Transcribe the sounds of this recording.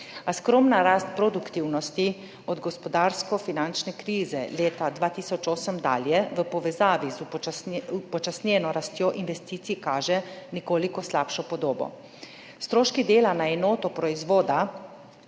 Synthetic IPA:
askɾoːmnaɾaːst̪̚pɾod̪ukt̪iwnɔst̪i | ɔd̪ɡɔspɔd̪aːɾskɔfinant͡ʃnɛkɾiːzɛleːt̪ad̪ʋaːt̪iːsɔt͡ʃoːsəmd̪a̰ːljɛʋəpɔʋɛzaːʋizuupɔt͡ʃasnjɛnɔɾast̪joʔinʋɛst̪iːt̪sikaːʒɛnɛkoːlikɔslaːpʃɔpɔd̪oːbɔ̰ | st̪ɾoːʃkid̪eːlanaɛnoːt̪ɔpɾɔizʋoːd̪a

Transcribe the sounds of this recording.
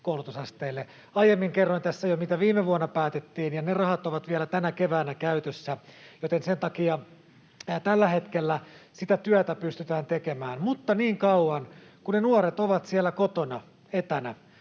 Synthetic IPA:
koˑulut̪usɑst̪eːlːe | ɑjemːiŋkerːoint̪æsːæjomit̪æʋiːmeʋuɑnːɑpæːt̪et̪ːiːnjɑnerɑhɑt̪oʋɑt̪ʋiælæt̪ænækeʋæːnækæyt̪øsːæjot̪ensent̪ɑkiɑ | t̪ælːæhet̪kelːæsit̪æt̪yæt̪æpyst̪yt̪æːnt̪ekemæːnmut̪ːɑniːŋkɑuɑnkunnenuoɾet̪oʋɑt̪siælːækot̪onɑ | et̪ænæ

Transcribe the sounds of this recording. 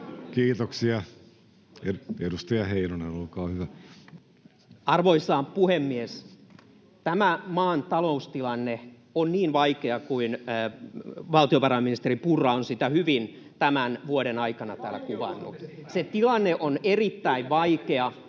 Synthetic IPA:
kiːt̪oksiɑ | eedust̪ɑjɑheinonenolkɑːhyʋæ | ɑrʋoisːɑːmpuhemːies | t̪æmæmɑːnt̪ɑloust̪ilɑnːe | onniːnʋɑikeɑkuin | ʋɑlt̪ioʋɑrɑminist̪eripurːɑonsit̪æhyʋin | t̪æmænʋuoɾenɑikɑnɑt̪æːlːˑækuʋɑ̰nːṵset̪ilɑnːeʔonerit̪ːæiʋʋɑikeɑ

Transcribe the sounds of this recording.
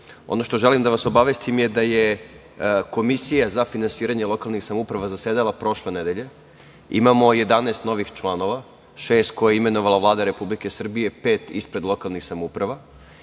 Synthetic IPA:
o̞̰no̞ʃt̪o̞ʒelimd̪aʋaso̞baʋest̪imjed̪aje | ko̞misijazafinansiːɾaɲelˠo̞kalˠnixsamupɾaʋazased̪alˠapɾo̞ʃle̞ned̪eʎe̞ | ḭmamo̞je̞d̪aneːst̪no̞ʋixt͡ʃlˠano̞ʋa | ʃeːst̪̚kojajeime̞no̞ʋalˠaʋlˠaːd̪aɾe̞publike̞sr̩bije̞pe̞ːt̪ispɾe̞d̪lo̞kalˠnixsamoupɾaʋa

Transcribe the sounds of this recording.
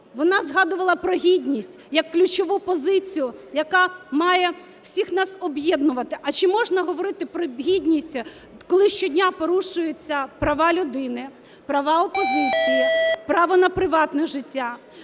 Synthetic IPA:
ʋɔnɑzɦɑd̪ʊʋɐlˠɐpɾɔɦʲidʲnʲisʲtʲjɐkːlʲʊt͡ʃɔʋupɔzɪt͡sʲijʊjɐkɑmɑjɛ | w̥sʲixnɑsɔbjɛd̪nʊʋɐt̪ɪʔɐt͡ʃɪmɔʒnɐɦɔʋɔɾɪt̪ɪpɾɔɦʲidʲnʲisʲtʲ | kɔlˠɪʃt͡ʃɔdʲnʲapɔɾuʃʊjet͡sʲːɐpɾɐʋɑlʲʊd̪ɪnɪ | pɾɐʋɑɔpɔzɪt͡sʲijipɾɑʋɔnɐpɾɪʋɑt̪nɛʒɪtʲːa

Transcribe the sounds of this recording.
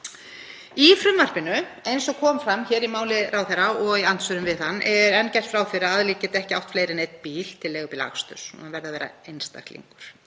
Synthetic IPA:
ifɾʏmvar̥pɪnːʏejnsɔkʰɔːmfɾamːçɛːɾimaːwlɪrʔaːwθɛɾaɔɣian̥t̪sœɾʏmvɪðθanːʔɛɾɛncɛr̥t̪fɾaːwfɪɾaaðliːcɪt̪ɛhcɪawht̪fleːjɾɪnejt̪̚npiːl̥t̪ʰɪlːɛːɣʏpila̰xst̪œ̰ɾsuanvɛɾðavɛːɾa̰ejnst̪a̰ht̪lḭŋkʏɾ̥

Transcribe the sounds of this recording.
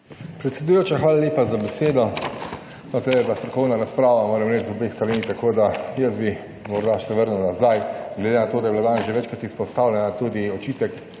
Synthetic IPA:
pɾɛt̪sʲɛd̪ujoːt͡ʃaxʋaːlalʲjeːpazabeseːd̪ɔ | not̪ɛɛblast̪ɾɔkɔwnaɾaspɾaːʋamoːɾɛmɾɛt͡ʃzɔbexst̪aɾinit̪akoːd̪ajəsbi | mɔɾd̪aʃɛʋəɾnunazajɡled̪enat̪oːd̪ajɛblad̪aːnezʒeʋɛt͡ʃkɾat̪ispɔst̪awlʲɛnat̪uːd̪iɔt͡ʃiːt̪ɛk

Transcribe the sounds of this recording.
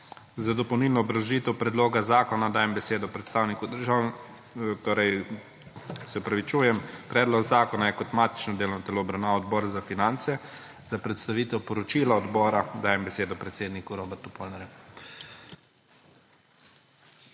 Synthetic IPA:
zad̪ɔpɐwnilnɔːbɾaʒit̪ɛwpɾɛd̪loːɡazaːkɔnad̪aːjɛmbɛseːd̪ɔpɾɛt̪st̪aːwnikud̪əɾʒaw | t̪oːɾɛj | sɛɔpɾaʋit͡ʃuːjɛmpɾɛːd̪lɔɡzaːkɔnajɛkɔt̪maːt̪i̥t͡ʃnɔd̪eːlɔnɔt̪ɛloːbɾawnaːʋaɔd̪bɔːɾzafinant̪sɛ | zapɾɛt̪st̪aʋiːt̪ɛwpɔɾɔt͡ʃilaɔd̪bɔːɾad̪aːjɛmbɛseːd̪ɔpɾɛt̪seːd̪nikuɾobɛɾt̪upolnaɾjɛ

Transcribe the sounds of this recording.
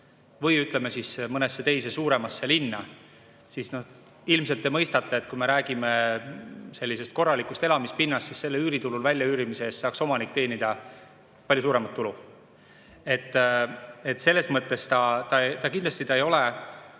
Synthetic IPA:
vɤjyt̪ˑleme̞sismɤnesːe̞t̪e̞jse̞suːɾe̞mɑsːe̞linːɑ | sisno̞ | ilmse̞lt̪ːˑemɤjst̪ɑt̪ːˑeet̪̚kume̞ɾæːɡ̥ime̞ | se̞lʲːise̞st̪̚ko̞rːɑlikˑust̪e̞lɑmispinːɑst̪sisse̞lːeyːɾit̪ululvælʲjɑyːɾimiseeːst̪sɑːkso̞mɑnik̚ˑːt̪e̞ːnid̪̥ɑ | pɑlʲjus̬uːɾe̞mɑt̪ːulu | e̞t̪ːet̪se̞lːe̞smɤt̪ˑːe̞st̪ɑt̪ɑt̪ɑkind̪lɑst̪it̪ɑejo̞le

